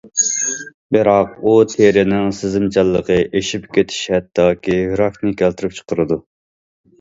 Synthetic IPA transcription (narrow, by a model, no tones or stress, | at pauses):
bɪɾɑqut̪ʰeɾɪnɪŋsɪzɪmt͡ʃʰɑlˠːəqəʔeʃipkʲet̪ʰi̥ʃɛt̪ʰːɑːkʲihɾɑfnɨkʲʰælt̪ʰɨɾɨp̚t͡ʃʰə̥qʰəɾɨd̪u